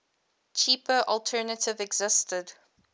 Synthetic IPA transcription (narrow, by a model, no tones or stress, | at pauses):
t͡ʃʰiːpəʔɔlˠtʰɜːnətʰɪvɛɡzɪstəd